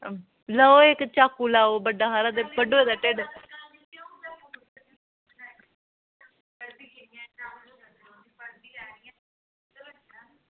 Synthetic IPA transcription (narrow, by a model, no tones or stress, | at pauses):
ləoːɪkt͡ʃaːkːuːlaːoːbəɖaːɦaːɾãːd̪eːbəɖoːeːd̪aːʈeːɖ